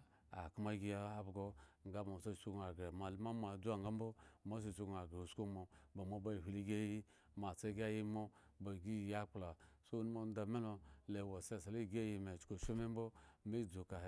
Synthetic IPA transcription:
a̰˨kma˦ɡi˦ja˦a˦bɡo˦ŋ˦ɡa˦ma˨so˦˨so˦ɡa˨ɡa˨ma˨li˦ma˦m˦a˨d͡zu˦a˦˨ŋɡa˦mbo˦ma˦s̬o˨so˦ɡa˨ɡa˨o˨sko˦mo˨ba˨mo˦ba˦˨hi˨li˦ɡʲe˦ji˦ | ma˨t͡se˦ɡʲa˦ji˦mo˦ba˨ɡi˦˨ja˦k͡pla˨so˦nu˦mo˦n˦da˨me˦lo˨le˨wo˨se˦˨sa˨li˦˨ɡe˦ji˨me˨t͡ʃko˨ʃo˦me˦mbo˦me˦˨d͡zo˨ka˨

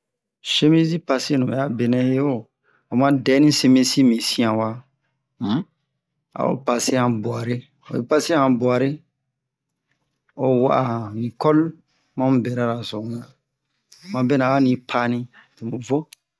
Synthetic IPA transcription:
se˦mẽ˦s̬i˦pa˧se˦nũ˨ɛ˨a˦be˨nɛ̃˦je˦o˦˨ | a˨mã˦dɛ˦nĩ˦se˧mẽ˦si˦mĩ˨sĩ˦ã˨wa˦ | m̩˦ | a̰˨o̰˨˦pa˨se˦ã˨bu˨a˨ɾe˦ | o̰˨ḭ˨pa˦se˦ã˨bu˨a˨ɾe˦ | o˨wɔ˦ʔa˨mĩ˨kɔ˦l | mã˦m˦bɛ˨ɾa˦ɾa˨sõ˨˦nã˨ | mã˨bɛ˦nã˨wa˦nĩ˦pʰa˦nĩ˦ | e˨mõ˨vo˦

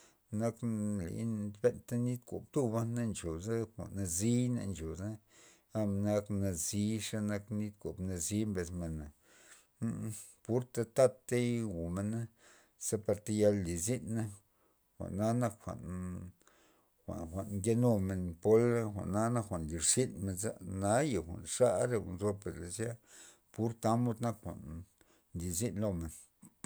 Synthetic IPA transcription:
na˦klḭ˨˦n˧be˦nt̪a˦ni˦t̪ko̰˨b̚t̪u˦ba˦nnːa˦nt͡ʃo˨za˦xʷa̰˨ʔna˧zi˦na̰˧nt͡ʃo˨za˦ | a˧m˧na˦kna˧zi˦ʂa˦na˧kni˦t̪̚ko˨bna˧zi˦mbe˧sme˨na˨˦ | pu˦ɾt̪a˧t̪a˧t̪ːe˦ɡu˨me˧na˦ | se˦pa˧ɾt̪a˧ja˧lli˨zi˦nːa˦ | xʷa̰˨ʔnːa˦na˧kxʷa̰˨ʔn | xʷa̰˨nxʷa˨ʔnŋɡe˦no˧me˨npo˦la˦xʷa̰˨ʔnːa˦na˦kxʷa˨nli˨ɾsi˦nme˧nza̰˦na˦ja˨xʷa̰˨nʂa˦ɾe˧a̰˨nzo˧pe˨ɾle˨sja˦ | pu˦ɾt̪a˦mo˧˦t̪na˦kxʷa̰˨n | li˨zi˦nlo˧me˨n

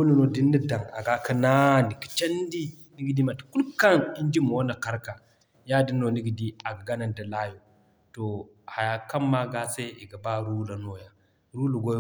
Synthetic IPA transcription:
u˦lu˨no˨di˦nːi˦da˨ŋa˨ɡa˦ka˦na˦ni˨ki̥˨t͡ʃa˦ndi˦ | ni˦ɡi˨di˦ma˨tḁ˨ku˦lka˦ni˦nd͡ʒi˦m˨wo˦na˨ka˦ɾka˨ | ja˦di˦no˨ni˦ɡi˨di˦a˨ɡa˨ɡa˦na˨nda˨la˦jo˨ | to˨ | ha˨ja˨ka˦mːa˦ɡa˦sa˦i˨ɡa˨ba˦ɾu˦la˨no˨ja˨ | ɾu˦lu˨ɡo˦

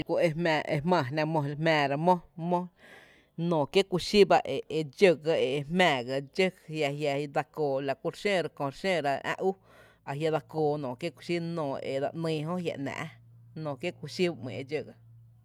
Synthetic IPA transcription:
kʷu˧ʔe˧mɛ̃ː˧˨ʔe˧mã˧˨nã˧mõ˧mɛ̃ː˧ɾa˧mõ˦mõ˦ | nɔ̃ː˨kje˦ku˧ʃi˦ba˧ʔe˨e˧d͡ʒə˦˧ɡa˧e˨˧mɛ̃ː˨ɡa˧d͡ʒə˦ja˧ɦja˧d̪a˧koː˨la˨ku˦ɾʃẽː˦˨ɾa˧kõ˨ɾʃẽː˦˨ɾa˧ã̰˦ʔu˦ | a˨ɦja˧d̪a˧koː˧˨nɔ̃ː˨kje˦kʷu˧ʃi˦nõː˨ḛ˨d̪a̰˧˨ʔnĩː˧ɦõ˦hja̰˨ʔnã̰ː˨ʔ | nõː˨kje˦kʷu˧ʃi˦ba˧mḭ̃˨e˧˨d͡ʒə˧˨ɡa˧

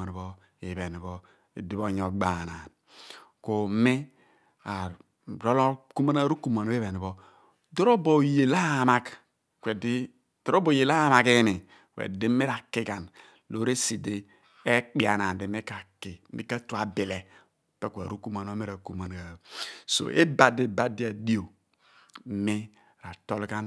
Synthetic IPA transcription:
a˨n˨bɔ˦ | i˨βe˨ni˨bɔ˦ | e˨di˦βo˦˨ɲo˨ɡ͡ba˨na˨n | ko˨˦mi˦ | a˨ | ɾo˦lo˦ku˦ma˦na˦ɾu˦ku˦˨ma˨no˦e˦βe˨ni˨bo˦ | do˦ɾo˦bo˨je˨la˦˨ma˦k | kʷwe˨di˦ | to˨ɾo˦bo˨je˨la˦ma˨ke˦mi˨ | wḛ˨di˦me˦ɾa˨ki˦ka˨n | lo˦ɾe˦si˨de˦ | e˦k͡pi˦˨a˨na˨de˨me˦ka˨ki˨˦ḭ˦ka˦tu˨a˨bi˨le˨ | pe˦kʷɾu˦ku˦ma˨no˦me˦ɾa˨ku˨ma˨n˨a˨so̰˨ʔḛ˦ba˨de˦ba˦di˦a˨di˦o˨˦ | mi˦ | ɾa˨to˦lɡa˦n

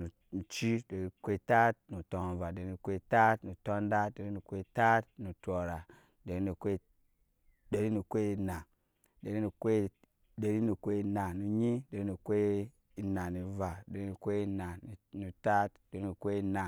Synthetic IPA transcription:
nu˨ | nu˨t͡ʃi˦de˨ɾi˦kʷe˦˨ta˦t̚nu˨tɔ˨ŋ˨va˨de˨ɾi˦nu˨kʷe˦˨ta˦tnu˨tɔ˦nda˦de˨ɾi˦nu˨kʷe˦˨ta˦tnu˨to˨ɾa˨ | de˨ɾi˦nu˨kʷe˦ | de˨ɾi˦nu˨kʷe˦i˨na˨ | de˨ɾi˦nu˨kʷe˦ | de˨ɾi˦nu˨kʷe˦˨na˨nu˨ɲi˦de˨ɾi˦nu˨kʷe˦ | i˨na˨ni˨va˨de˨ɾi˦nu˨kʷe˦i˦na˨n˨nu˨ta˦tde˨ɾi˦nu˨kʷe˦i˨na˨

